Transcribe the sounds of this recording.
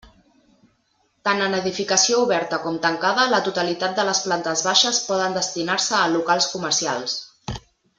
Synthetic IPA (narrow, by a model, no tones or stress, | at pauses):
t̪anənəðifikəsiouβɛɾt̪əkɔmt̪əŋkaðələt̪ut̪əlit̪at̪̚d̪ələsplant̪əzβaʃəspɔðənd̪əst̪inaɾsəːlukalˠskuməɾsia̰lˠs